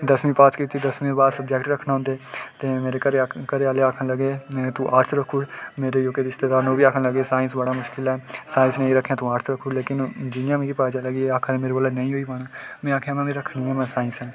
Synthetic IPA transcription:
d̪əsmĩːpaːt̪kiːt̪iːd̪əsmĩːbaːd̪səbd͡ʒɛːkʈɾəkʰnaːɦʊnd̪eːt̪eːmeːɾeːəɾekəɾeːaːleːaːkʰənləɡeːt̪ũːʔaːɾt̪ʰɾəkʰuːɾmeːɾeːjoːkeːɪst̪eːd̪aːɾnõːbiːaːkʰənləɡeːsaːɪ̃nsbəɽaːmʊʃkɪlɛːsaːɪ̃nsnəĩːɾəkʰːjãːt̪ũːaːɾt̪ʰɾəkʰuːɾleːkɪnd͡ʒɪnjãːmĩːɾipaːd͡ʒaːləɡiːaːkʰəɾẽːmeːɾeɡoːlanəĩːɦoːiːpaːɽaːmɛ̃ːaːkʰjãːmɛ̃mẽːɾəkʰniːɦɛːmɛ̃ːsaːɪ̃nsɛ̃ː

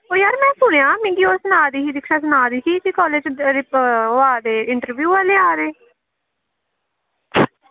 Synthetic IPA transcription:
oːjaːɾmɛ̃ːsʊɽ̃jãːmɪ̃ŋɡiːoːsənaːd̪iːɦiːd̪ɪkʰʃaːsənaːd̪iːsiːkiːkɔːleːd͡ʒɾaːd̪eːɪɳʈəɾʋjuːʋaːleaːɾeː

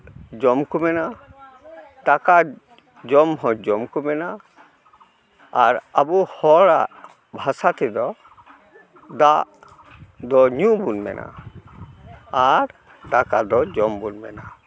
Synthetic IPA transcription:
d͡ʒɔmkumɛna | t̪aka | d͡ʒɔmɦɔ̃d͡ʒɔmkumɛna | ɾabuhɔɽa | bʱasat̪ɛd̪ɔ | d̪aʔ | d̪ɔɲũbunmɛ̰nʔa̰ | aɾ | d̪akad̪ɔd͡ʒɔmbunbɛna

